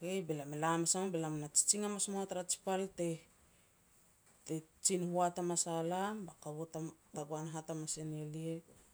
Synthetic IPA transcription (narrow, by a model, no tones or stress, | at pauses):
kejbelamelamasamobelamnat͡ʃi̥t͡ʃiŋamasmoataɾat͡ʃi̥palte | tet͡ʃinhuatamasalambakaβotataɡoanɦatamasenelie